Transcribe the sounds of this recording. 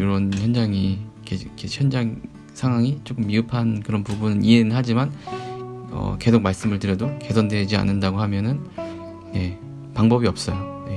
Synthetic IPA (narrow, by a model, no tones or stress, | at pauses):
joɾʌnçjʌnd͡ʑaŋikʰekʰeçjʌnd͡ʑaŋ | sʰaŋɦwaŋit͡ɕ͈ok͈ɯmːiɯpʰankɯɾʌnpubunɯnie̞nɯɭɦad͡ʑiman | ʌ̰ke̞sok̚maɭs͈ɯmɯɭtɯɾjʌdoke̞sʌndwe̞d͡ʑia̰nːɯndaɡoɦamjʌnɯn | je̞ | paŋbʌbiʌp̚s͈ʌjoje